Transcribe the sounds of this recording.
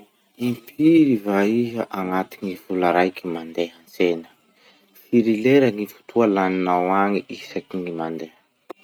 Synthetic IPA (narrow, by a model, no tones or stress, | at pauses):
impʰiɾivaiɦəʔaŋat̪iŋifulaɾajkimand̪eɦant͡senə̥ | fiɾileɾəŋifu̥t̪ʰualaninawaŋiʔisakiŋimand̪e